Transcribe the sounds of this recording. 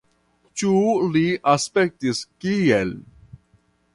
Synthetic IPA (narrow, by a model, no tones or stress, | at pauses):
t͡ʃuliʔaspɛk̚t̪iskiɛl